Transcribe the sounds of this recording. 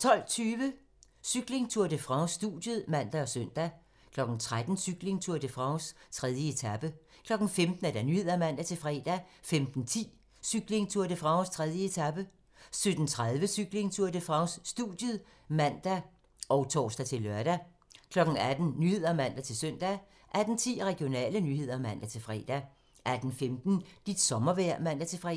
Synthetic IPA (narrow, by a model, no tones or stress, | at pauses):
t͡sʰɒ̽l̰t͡sʰyːʋə | syɡ̥le̝ŋt͡sʰuɐ̰d̥əfʁɑ̈ʊsːd̥ṵdjəð̩ˠmæn̰d̥æɒ̽søn̰d̥æ | kʰlɒ̽ɡ̥n̩t͡sʰʁad̥n̩syɡ̥le̝ŋt͡sʰuɐd̥əfʁɑ̈ʊst͡sʰʁɛð̞ˠjəe̝t͡sʰæb̥ə | kʰlɒ̽ɡ̥n̩femd̥n̩æd̥ænyhe̝ð̰ˠɐmæn̰d̥æt͡sʰe̝fʁɛːd̥æfemd̥n̩t͡sʰḭː | syɡ̥le̝ŋt͡sʰuɐd̥əfʁɑ̈ʊst͡sʰʁɛð̞ˠjəe̝t͡sʰæb̥ə | sød̥n̩t͡sʰʁað̞ˠʋəsyɡ̥le̝ŋt͡sʰuɐd̥əfʁɑ̈ʊsːd̥uðˠjə | mæn̰d̥æ | ɒ̽ʊt͡sʰɒ̰ːsd̥æt͡sʰe̝lːœɐɾ̥æ | kʰlɒ̽ɡ̥n̩æd̥n̩nyhe̝ð̞̰ˠɐæmæn̰d̥æt͡sʰe̝lsøn̰d̥æ | ʔæd̥n̩t͡sʰḭːʁɛɡ̥io̝nɛ̰ːlənyhe̝ð̰ˠɐmæn̰d̥æt͡sʰe̝lfʁɛ̰ːd̥æ | ʔæd̥n̩femd̥n̩d̥id̥sɒ̽mɐʋæɐ̰mæn̰d̥æt͡sʰe̝fʁɛ̰